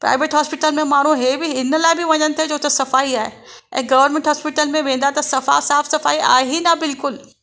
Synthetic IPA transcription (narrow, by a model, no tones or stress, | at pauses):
pɾa̰ːɪʋeːʈɦɔːspɪʈəlmẽmaːɽ̤ũɦeːbɪɪnlaːɪbɪʋɐɲənɪ̆t̪ʰed͡ʑoːt̪ɐsɐfaːiaːɦe | ʔɛ̰̃ːɡɐʋəɾmẽːɳʈɦɔːspɪʈəlmẽʋẽːnd̪aɦet̪ɐsɐfa̰ːsaːfsɐfaːiʔa̰ːɦinɐbɪlkʊl